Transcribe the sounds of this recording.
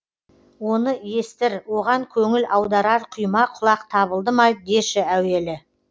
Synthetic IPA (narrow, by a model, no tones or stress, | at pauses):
wo̞nəje̞st̪ɪɾwo̞ʁɑŋkʲʰɵŋɪlʔɑwd̪ɑɾɑɾqʰʊjmɑqʰʊlˠɑqt̪ʰɑβəlˠd̪əmɑjd̪d̪eʃɪæwe̞lɪ